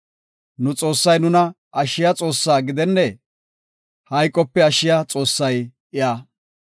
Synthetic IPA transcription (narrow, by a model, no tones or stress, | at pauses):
nʊt͡sʼo̞ːsːɐjnʊnɐ | ʔɐʃːɪjɐt͡sʼo̞ːsːaːɡɪd̪ɛnːɛ | hɐjkʼːɔpːɛɐʃːɪjat͡sʼo̞ːsːɐjʔɪjaː